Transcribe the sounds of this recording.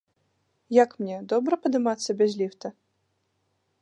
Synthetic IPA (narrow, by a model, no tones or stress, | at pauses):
jakmnʲɛd̪ɔbɾɐpɐd̪ɨmat̪sːɐbʲazʲlʲift̪ɐ